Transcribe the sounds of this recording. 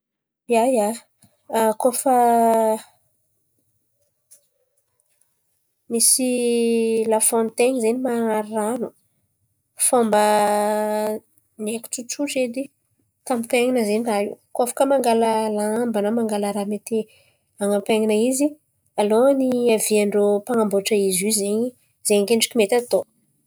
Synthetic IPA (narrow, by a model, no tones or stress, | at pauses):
jaja | kofə | misi | lafont̪eɲizenimanaɾiranu | fombə | nekʲu̥ʈ͡ʂuʈ͡ʂuʈ͡ʂed̪i | t̪amit̪eŋinəzeniraḭwkafḁkəmaŋɡaləlaambanəmaŋɡalaɾamet̪e | aŋapeŋinəizi | aloniaviaɳɖ͡ʐopaŋamboʈ͡ʂəizizeɲi | zeŋkeɳɖ͡ʐi̥kʲimet̪at̪o